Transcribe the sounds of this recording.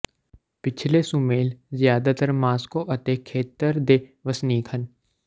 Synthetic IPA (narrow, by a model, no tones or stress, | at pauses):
pɪt͡ʃʰlesumeːlzɪjaːd̪at̪əɾmaːskoʔɐt̪ekʰeːt̪ːəɾd̪eːʋəsniːkʰən